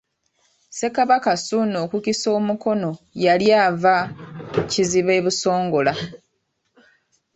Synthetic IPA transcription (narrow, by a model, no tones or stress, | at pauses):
se̞kaβakasuno̞ːkukiso̞ːmuko̞no̞jaljaːva | ciziβe̞ːβuso̞ːŋɡo̞la